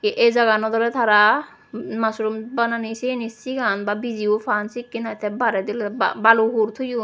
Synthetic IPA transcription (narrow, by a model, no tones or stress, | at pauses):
ʔezaɡanɔd̪ɔɾɛt̪ʰaɾa | masɾumbananisinisiɡanbabiziupʰansikːinajt̪ʰɛbaɾɛd̪ilbabaluɦuɾt̪ʰuju